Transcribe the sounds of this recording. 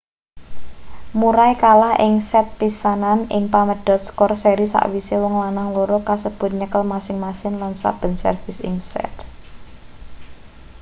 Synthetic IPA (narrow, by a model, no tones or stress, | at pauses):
muɾajkalahʔɪŋsɛt̪̚pisananɪŋpaməɖ̥ɔt̪̚skɔrseɾisa̰ʔwisewɔŋlanaŋloɾokasəb̥ʊ̤t̪̚ɲəkəlmasɪŋmasɪnlansa̰b̥ə̤nsə̰rfɪsɪ̰ŋsɛ̰t̪